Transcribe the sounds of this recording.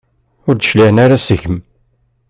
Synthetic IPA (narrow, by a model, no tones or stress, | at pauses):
ʊɾd̪əʃliʕənaɾasəʝəm